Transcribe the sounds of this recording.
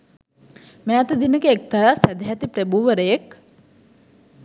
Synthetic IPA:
meat̪əd̪inəkəek̚t̪aɾasæd̪eɦæt̪ipɾebuːʋəɾəjek

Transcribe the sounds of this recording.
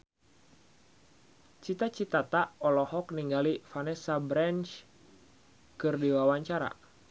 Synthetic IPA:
t͡ʃit̪at͡ʃit̪at̪aɔlɔhɔkniŋɡalifanɛsabɾant͡ʃ | kɨrdiwawaɲt͡ʃaɾa̰

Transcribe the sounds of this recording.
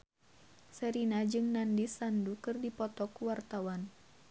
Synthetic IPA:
sɛɾinad͡ʒɨŋnandisandukɨrdipɔt̪ɔkuwart̪awan

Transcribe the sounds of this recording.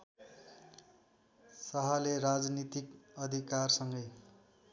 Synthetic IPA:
sʌɦʌlerad͡znit̪ikʌd̪ʱikarsʌŋɡʌj

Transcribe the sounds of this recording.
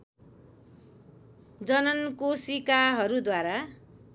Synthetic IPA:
d͡zʌnʌnkosikaɦʌɾud̪waɾa

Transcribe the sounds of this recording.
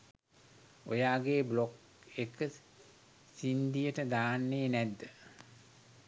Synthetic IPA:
o̰jaːɡeːblok | ekə | sind̪ijəʈəd̪aːnːeːnæd̪ːə

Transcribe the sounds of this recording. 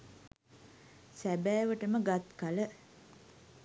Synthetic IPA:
sæbæːʋəʈəməɡat̪kalə

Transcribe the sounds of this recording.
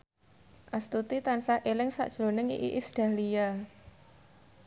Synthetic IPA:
ʔast̪ut̪it̪ansaʔelɪŋsa̰ʔd̥ʒ̥lonɪŋiʔiʔisd̪̥a̤lija

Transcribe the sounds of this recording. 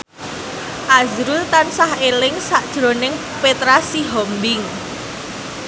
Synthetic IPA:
ʔazɾult̪ansahelɪŋsaʔd̥ʒ̥ɾo̤nɪŋ | pet̪ɾasiɦɔmbɪŋ

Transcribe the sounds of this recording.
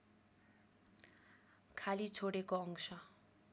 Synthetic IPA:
kʰalit͡sʰoɽekoʌŋsʌ

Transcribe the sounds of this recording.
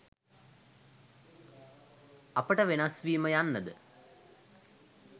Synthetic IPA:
ɐpəʈəʋenasʋiːməjanːəd̪ə

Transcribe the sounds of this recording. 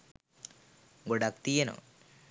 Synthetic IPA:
ɡoɽak̚t̪ijeno̰

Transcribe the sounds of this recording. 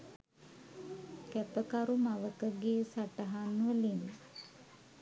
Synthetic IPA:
kæpəkaɾumaʋəkəɡeːsaʈəɦanuʋəlin

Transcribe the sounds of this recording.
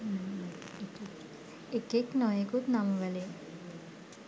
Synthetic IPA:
ekeknɔjekut̪namʋəle

